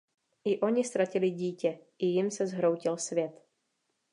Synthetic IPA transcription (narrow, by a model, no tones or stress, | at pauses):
ʔɪʔo̞ɲɪst̪ɾacɪlɪɟiːcɛʔɪjɪmsɛzɦɾo̞wcɪlsvjɛt̪